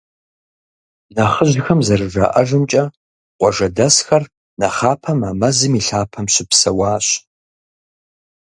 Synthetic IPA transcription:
nɐχəʑxɐmzɐrɨʐa̰ʔɐʒɨmt͡ʃʼɐ | qʷɔʒɐdɐsxɐr | nɐχaːpʰɐmaːmɐzɨmiɬaːpʰɐmɕʷɪpsɐwaːɕ

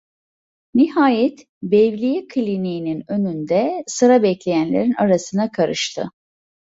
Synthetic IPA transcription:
nihaːjɛt̪ | bɛvlʲijikʰlʲinijininø̞nynd̪ɛsɯɾabɛclʲe̞jænlʲḛɾinaɾasɯnakʰaɾɯʃt̪ʰɯ̰

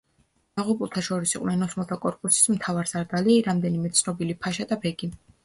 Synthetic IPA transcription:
d̪̥aʁupʼulˠt̪ʰaʃɔɾisiqʼwnɛnɔsmɔlˠt̪ʰakʼɔɾkʼusi̥smt̪ʰavaɾsaɾd̪aliɾamd̪ɛnimɛt̪sʰnɔbilipʰaʃad̪abɛɡi

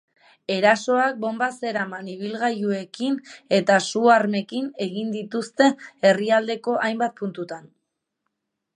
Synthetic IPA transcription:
e̞ɾaso̞ak̚bo̞mbase̞ɾamaniβ̞ilɣajue̞kine̞t̪asuaɾme̞kine̞ɣind̪it̪ust̪e̞ːriald̪e̞ko̞ʔajmbat̪̚punt̪ut̪an

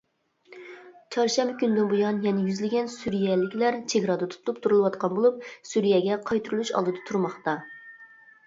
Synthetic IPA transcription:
t͡ʃʰɑɾʃɛmbɪkʲynd̪ɪnbujɑnjɛnɪjyzlɪɡʲɛnsuɾijɛlɪkʲlæɾt͡ʃʰeɡɾɑd̪ɑt̪ʰu̥t̪ʰlˠup̚t̪ʰuɾulˠɨwɑt̪qʰɑnbolˠup̚suɾijɛɡʲɛqʰɑjt̪ʰuɾulˠuʃɑ̰lˠd̪ɨd̪ɑt̪ʰuɾmɑχt̪ɑ

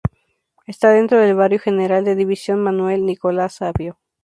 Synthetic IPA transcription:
e̞st̪aðe̞nt̪ɾo̞ð̞e̞lβaɾjo̞xe̞neɾald̪e̞ðiβisjo̞nmãnwe̞lniko̞lasaβjo̞

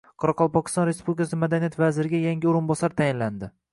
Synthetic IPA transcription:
qʰɒɾɑqʰɒlˠpɒkʲɪ̥st̪ɒnɾe̞spublʲikʰasɪmad̪anijat̪vazɪɾɪɡʲajaŋɡʲɪoɾɪnbɒsaɾt̪ʰajɪnland̪ɪ

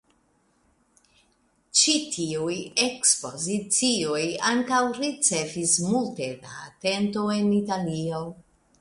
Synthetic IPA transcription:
t͡ʃitʰiuje̞kspo̞zit͡sio̞jaŋkawɾit͡se̞fismulte̞da̰ːte̞nto̞e̞nitalio

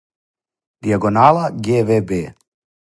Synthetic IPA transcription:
d̪iaɡonaːlaɡevebe

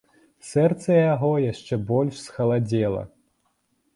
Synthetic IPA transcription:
sɛrt̪sɐjaɣɔjaʂt͡ʂɛbɔlʲʂsxɐlˠad͡zʲɛlˠɐ̰

